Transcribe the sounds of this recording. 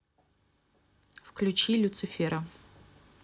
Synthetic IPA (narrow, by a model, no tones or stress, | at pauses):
fklʲut͡ɕilʲut̪sɨfʲeɾɐ